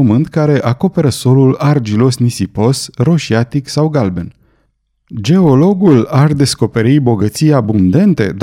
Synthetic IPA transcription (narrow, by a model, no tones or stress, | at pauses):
əmɨnt̪kaɾe̞ʔako̞pe̞ɾəso̞lulard͡ʒilo̞snisipo̞sro̞ʃiat̪iksawɡalben | d͡ʒe̞o̞lo̞ɡulard̪e̞sko̞pe̞ɾibo̞ɡət̪sijabund̪e̞nt̪e̞̰d̪